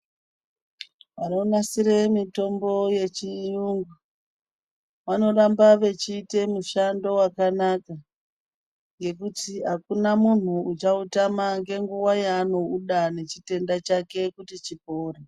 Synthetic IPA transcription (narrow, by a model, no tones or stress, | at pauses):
ʋano̞nasiɾe̞mito̞mbo̞je̞t͡ʃijuŋɡu | ʋano̞rambaʋe̞t͡ʃiːte̞muʃando̞wakanaka | ŋɡe̞kutiɦakunamun̤uut͡ʃautamaŋɡe̞ŋɡuwajaːno̞uɗane̞t͡ʃite̞ndat͡ʃake̞kutit͡ʃipoːre